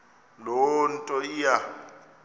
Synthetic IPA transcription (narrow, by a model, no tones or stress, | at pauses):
lɔntʼɔija